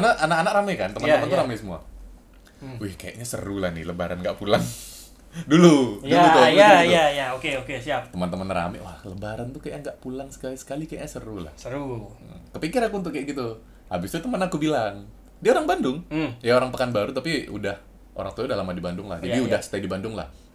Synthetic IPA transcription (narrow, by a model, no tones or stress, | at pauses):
anaʔanakanak̚ramɛkant̪əmaəmənt̪uɾamɛsəmua̰ | wɪhkaja̰ʔɲasə̰ɾulahnɪhləbaɾanŋɡaʔpulaŋ | duludjuluoaajaokeokesiap̚t̪əmənt̪əmənra̰mɛ̰ʔwahləbaɾant̪ukajaŋɡaʔpulaŋsə̥kalisə̥kalikaja̰ʔɲasəɾula̰hsəɾukəpikɪɾakunt̪ʊʔkajaʔɡit̪u | abɪst̪ut̪əmənakubilaŋ | diaoɾaŋbandʊŋjaoɾaŋpəkanbaɾut̪apiudah | o̰ɾaŋt̪uwaudahlamadibandʊŋla̰hd͡ʒabiudahsə̥t̪aidibandʊŋla̰h